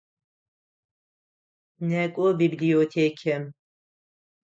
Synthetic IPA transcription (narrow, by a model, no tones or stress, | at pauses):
nɛkʷʼobibliot̪ʰeːkʰɛm